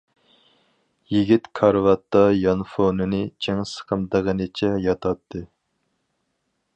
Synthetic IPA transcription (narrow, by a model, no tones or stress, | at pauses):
jiɡʲit̪kʰɑɾvɑt̪ːɑjɑnfonɨnɨt͡ʃʰeŋsə̥qʰəmd̪əʁənɨt͡ʃʰɛjɑt̪ʰɑt̪ʰːɨ